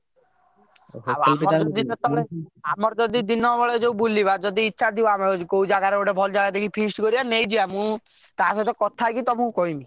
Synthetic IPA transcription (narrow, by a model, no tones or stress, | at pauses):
amɔɾd͡ʒɔd̪iɔt̪ɔeamɔɾɔd͡ʒɔd̪id̪inɔbɔɭed͡ʒeubulibad͡ʒɔd̪iːtːʃʰat̪ʰiwamekoud͡ʒaɡaɾeoʈebʱɔld͡ʒaɡat̪ekʰipʰisʈkɔɾibanejd͡ʒiamũ | t̪asɔt̪ɔkɔt̪ʰakit̪ɔmũkɔɦimi